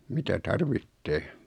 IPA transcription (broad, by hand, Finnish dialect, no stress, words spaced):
mitæ tɑrʋitːeː